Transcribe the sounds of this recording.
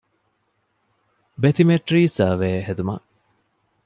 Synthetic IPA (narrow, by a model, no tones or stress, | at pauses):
bet̪imeʈɾiːsɐʋeːɦed̪umɐ̰ʔ